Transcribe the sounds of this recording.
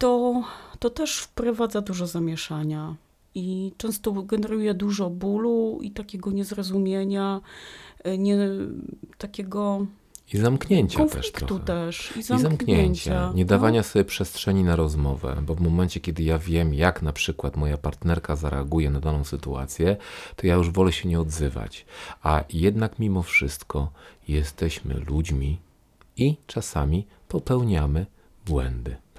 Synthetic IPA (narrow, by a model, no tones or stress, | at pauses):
t̪ɔt̪ɔt̪ɛʂfpɾɔvad̪zad̪uʐɔzamʲjɛʂaɲa | it͡ʂɛ̃ñst̪ɔɡɛnɛɾujɛd̪uʐɔbuluḭt̪akʲɛɡɔɲɛzɾɔzumʲjeɲa | ɲɛ | t̪akʲɛɡɔ | izamkɲɛɲt͡ɕkaɔntflɛ̰ʂit̪kɾɔ̰t̪ut̪ɛʂizamzamkɲɛɛɲɲt͡ɕaɲɛd̪avaɲasɔbʲjɛpʂɛstʂɛɲinaɾɔzmɔvɛ̰bɔvmɔmɛnt͡ɕɛkʲɛd̪ɘjavʲjɛmjaknapʂɘkwat̪mɔjapaɾt̪nɛɾkazaɾɛaɡujɛnad̪anɔ̃w̃sɘt̪ua̰t̪sʲjɛt̪ɔjajuʐvɔlɛɕɛɲɛɔd̪zɘva̰t͡ɕajɛd̪nakmʲimɔfʂɘst̪kʰɔjɛst̪ɛɕmɘ̰lud͡ʑmʲi | it͡ʂasamʲi | pɔpɛwɲamɘ | bwɛ̰nd̪ɘ